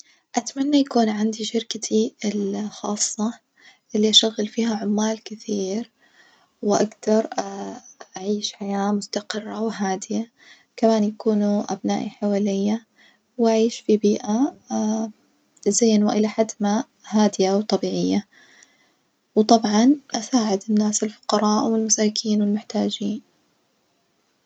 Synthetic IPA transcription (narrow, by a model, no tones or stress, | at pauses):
ʔat̪manːajakuːnʕand̪iʃɪɾkat̪ʰiɪlxɑːsˤːɑ | ʔɪlːiʔaʃaɣːɪlfiːhaʕʊmːaːlkɪθiːɾ | wʔaɡd̪ɑɾˤ | ʔaʕiːʃħajaːmʊst̪aqɪrːawɦaːd̪ɪja | kamaːnjakuːnuʔa̰bna̰ːʔiħawaːlɪjːa | wʔaʕiːʃfibiːʔa | zeːnwaʔɪlaħad̪ma | haːd̪ɪjawt̪ˤɑbiːʕɪjːa | wt̪ˤɑbʕɑnʔasaːʕɪd̪ɪnːaːsɪlfʊ̥qɑɾˤɑːʔwɪlmasaːkʰiːnwɪlmʊħt̪aːd͡ʒiːn